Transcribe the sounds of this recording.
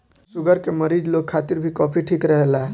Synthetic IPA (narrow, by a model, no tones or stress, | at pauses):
suɡəɾkeməɾid͡ʒlok̚kʰːat̪iɾbʱikɔpʰiʈʰikɾəɦelaɦ